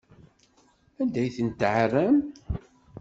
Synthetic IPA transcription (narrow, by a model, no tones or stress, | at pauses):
ænd̪æjθənt̪ʕrːəm